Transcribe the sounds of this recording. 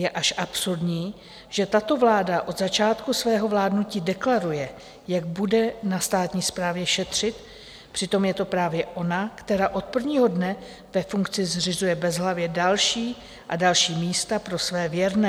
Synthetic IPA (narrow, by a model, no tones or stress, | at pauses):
jɛʔaʃʔapsuɾdɲiː | ʒɛt̪at̪o̞vlaːdaʔo̞d̪zat͡ʃaːt̪kusvɛːɦo̞vlaːdnuciːdɛklaɾujɛ | jaɡ̚budɛnast̪aːt̪ɲiːspɾaːvjɛʃɛt̪r̝̥ɪt̪ | pr̝̥ɪt̪o̞mjɛt̪o̞pɾaːvjɛʔo̞nakt̪ɛɾaːʔo̞t̪̚pr̩vɲiːɦo̞dnɛ | vɛfuŋkt͡sɪzrɪzujɛbɛzɦlavjɛdalʃiː | ʔadalʃiːmiːst̪apɾo̞svɛːvjɛɾnɛː